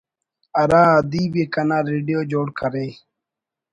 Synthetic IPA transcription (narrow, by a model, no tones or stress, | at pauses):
ɐɾaːad̪iːbekɐnaːɾeːɖijoːd͡ʑoːɽkʰɐɾeː